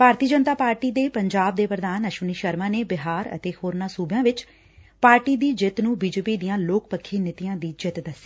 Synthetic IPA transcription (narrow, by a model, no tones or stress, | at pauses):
paːɾt̪iːd͡ʒənt̪aːpaːɾʈiːd̪eːpəɲd͡ʒaːb̚d̪eːpɾəd̪aːnəʃəniːʃəɾmãːneːbɪɦaːɾə̰t̪eːhoːɾnãːsuːbjãːʋɪt͡ʃ | paːɾʈiːd̪iːd͡ʒɪt̪nũːbiːd͡ʒeːpiːd̪ijãːloːkpəkʰːeːnɪt̪ɪjãːd̪iːd͡ʒɪt̪d̪əsːiː